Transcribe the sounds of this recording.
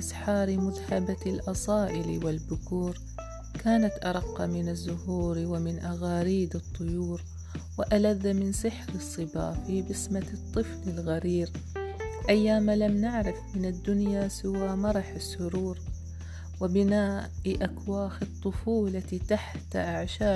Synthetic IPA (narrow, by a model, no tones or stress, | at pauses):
ʔasħɑːɾmʊðhabalʔɑsˤɑːʔɪlwɪlbʊkuːɾ | kaːnat̪ʔɑɾˤɑqːɑmɪnazːʊhuːɾwɪmɪnʔaɣaːɾiːd̪ɨt̪ˤːʊjuːɾ | wɪʔalaðːamɪnsɪħɾɨsˤːɨba̰ːfibɪsmat̪ˤːɨflɪlɣaɾiːɾ | ʔajːaːmalamnɪʕɾɪfmɪnad̪ːʊnjasɪwaːmɑɾˤɑħɪsːʊɾuːɾ | wɪbɪnaːʔʔakwaːxɪt̪ˤːʊfuːlat̪aħt̪aʔaʕʃaː